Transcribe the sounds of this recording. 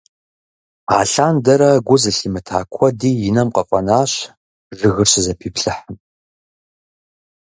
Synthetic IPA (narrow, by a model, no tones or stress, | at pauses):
a̰ːɬaːndɐɾɐɡʷʊzɨɬimɨtʰa̰ːkʷʰɔdiːjɪnɐmqɐfʼɐnaːɕ | ʒɨɣɨrɕɨzɐpʰiːpɬɨħəm